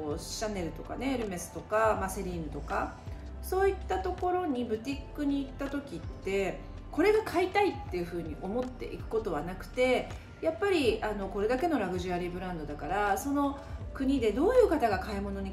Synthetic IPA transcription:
oɕanːe̞ɾɯ̟t̪o̞ka̰ne̞ɾɯ̟me̞sɨ̥t̪o̞kamaseɾʲiːnɯ̟t̪o̞ka | so̞ːit̪ːat̪o̞ko̞ɾo̞ɲ̟ibɯ̟t̪ʲikːɯ̟ɲ̟iːt̪ːat̪o̞kʲit̪ːe̞ | ko̞ɾe̞ɡakʰait̪ait̪ːe̞jɯ̟ɸɯ̟ːɲ̟iʔo̞mo̞t̪ːe̞̰ʔḭkɯ̟̥ko̞t̪o̞β̞anakɯ̟̥t̪e̞ | japːaɾʲiano̞ko̞ɾe̞d̪ake̞no̞ɾaɡɯ̟ʑɨaɾʲibɯ̟ɾãnd̪o̞d̪akaɾaso̞no̞ | kɯ̟ɲ̟id̪e̞d̪o̞ːjɯ̟ːkat̪aɡakaimo̞no̞ɲ̟i

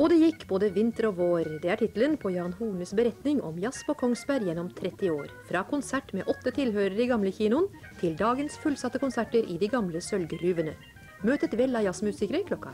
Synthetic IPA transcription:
ɔd̪ɛjɪkːboːd̪əʋɪnt̪əɾɔʋoːɾd̪ɛæʈʰɪt̪lənpʰɔjɑːnhuːnəsbəɾɛt̪nɪŋʔɔ̰mjɑspokʰɔŋsbæɾjɛnːɔmt̪ʰɾɛt̪ːɪoːɾfɾɑːkʰʊnsæʈmḛːʔɔt̪ːət̪ʰɪlhøːɾəɾiɡɑmləçiːnʊən | t̪ʰɪld̪ɑːɡənsfʉlsɑt̪ːəkʊnsæʈəɾɪd̪iːɡɑmləsœlɡəɾyːʋənə̰ | møːt̪ət̪ʋɛlːɑjɑsmʉːsɪkəɾəɾkʰlɔkːɑ̰

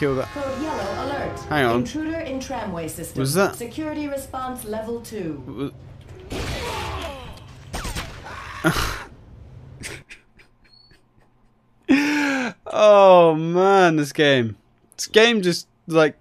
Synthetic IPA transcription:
ɪlˠðətkʰoʊdjɛlˠoʊəlɜ˞thæ̃ŋə̃nntʰɹ̥ʉɾə˞ɪ̃ntʰɹ̥æ̃mweɪsɪstwʌzðətsɨkʰj̥ʊɹɨɾiɹɨspɑ̃nslɛvəl̩ˠtʰʉʌ | oʊmæ̃nðɪs̬ɡ̥ẽɪ̃m | ɪsɡ̥ẽɪ̃md͡ʒʌst | laɪk̚

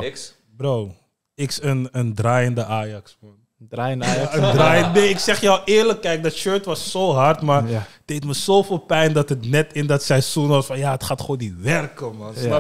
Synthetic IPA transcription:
brow | ɪksənəndraːjəndəʔaːjɑksfɔn | aːjnaːədaːjənneɪksɛχjɔwɪːɹləkːɛjk̚dɔtʃøːɹtʋɑsːoːɦɑrtmaːətd̥ejtməsoːfɪːlˠpɛjndɑtətnɛtɪndɑtsɛjsunɔsfɑnjaətχaːtχoːndiʋɛrkəman

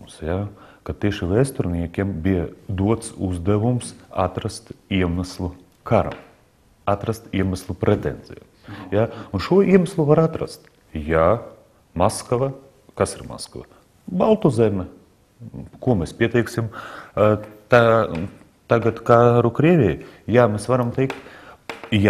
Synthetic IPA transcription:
usjakat̪iɛʃiʋɛːst̪uɾnʲiɛkʲiɛmbʲijɛd̪uɔt̪sṵzd̪ɛʋumsa̰t̪ɾast̪iɛmɛslˠu | kaɾa̰m | at̪ɾast̪iɛmɛslˠupɾɛt̪ɛnsʲḭja | jaunʃuɔiɛmɛslˠuvaɾat̪ɾa̰st̪ | ja | maskva | kasiɾma̰skva̰ | balˠt̪uzʲɛmʲɛ | kuɔmʲɛspʲiɛt̪ɛjksʲim | t̪a | t̪aɡat̪kaɾukɾiɛʋʲijjaːmʲesvaɾamt̪ɛɪkt̪ | ja

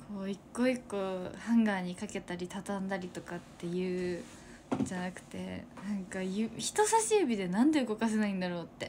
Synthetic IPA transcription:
kʰo̞ːikːo̞ikːohãŋɡaːɲ̟ikake̞t̪aɾʲit̪at̪ãnd̪aɾʲit̪o̞kat̪ːe̞jɯ̟ː | d͡ʑanakɯ̟̥t̪e̞̰nãŋkajɯçi̥t̪o̞saɕiɯbʲid̪e̞nãnd̪e̞ɯ̟ɡo̞kas̬e̞naĩnd̪aɾo̞ːt̪ːe̞

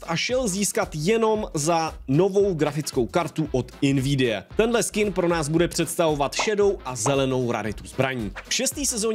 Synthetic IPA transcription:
t̪ʔaʃɛlziːskat̪jɛno̞mzano̞vo̞wɡɾafɪt͡sko̞wkaɾt̪uʔot̪ɪnvidɪjɛ̰t̪ɛndlɛskɪnpɾo̞naːzbudɛpr̝̥ɛt̪st̪avo̞vat̪ʃɛdo̞wʔazɛlɛno̞wɾa̰ɾɪt̪uzbɾaɲiːfʃɛst̪iːsɛzoɲ

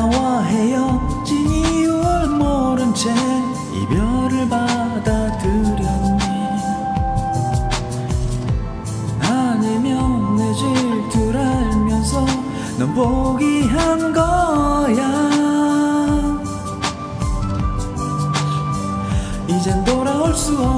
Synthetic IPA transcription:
waɦejʌt͡ɕiɲiuɭmoɾɯnt͡ɕʰe | ḭbjʌɾɯɭbad̪ad̪ɯɾjʌɲe | aɲimjʌnːed͡ʑɯɭtɯɾaɭmjʌnsʰʌ | nɯmboɡiɦanɡʌja | id͡ʑend̪oɾaoɭs͈uʌ

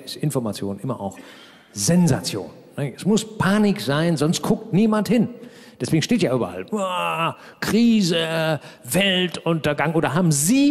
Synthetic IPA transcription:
ɪstɪnfɔɐmat͡sjo̰ːnʔɪmɐʔa̰ʊx | zɛnza̰t͡sjo̰ːnːəɛsmʊspʰaːnɪkz̥aɪnzɔnst̚kʰʊk̚tniːmanthɪn | d̥ɛsveːɡŋ̩ʃteːtjaːʔyːbɐ̰ʔa̰la | kʁ̥iːzəvɛltʔʊntɐɡaŋʔoːdɐɦaːbm̩ziː

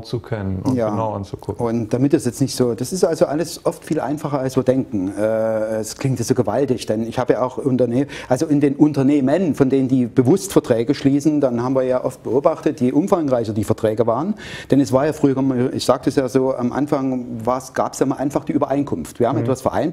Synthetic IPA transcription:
t͡sukʰɛnənjaːnaʊant͡sukʰʊkʊntd̥amɪtɛsjɛt͡snɪçtz̥oːd̥asɪstʔalzoʔaləsʔɔftfiːlʔa̰ɪnfaχɐalsv̥iːɐdɛŋkŋ̩ʔɛːskʰl̥ɪŋtaz̥oːɡəvaltɪçd̥ɛnɪçhaːbəjaːʔaʊxʔʊntɐneːʔalzoɪndeːnʔʊntɐneːmənfɔndeːnəndiːb̥əvʊstfɛɐtʁ̥ɛːɡəʃliːsn̩danɦaːbmviːɐjaːʔɔft̚b̥əʔoːbaχtətjeːʔʊmfaŋʁaɪçɐdiːfɛɐtʁ̥ɛːɡəvaːʁən | d̥ɛnɛsv̥aːɐjaːfʁ̥yːɐɡmaʔɪ̰çz̥aːk̚təɛsjaːzoːʔa̰mʔa̰nfaŋvaːɐsɡ̥aːpə̥sjaːmaːlʔaɪnfaχd̥iːʔyːbɐʔaɪnkʰʊmftv̥iɐham̩ɛtv̥asfɛɐʔa̰ɪn

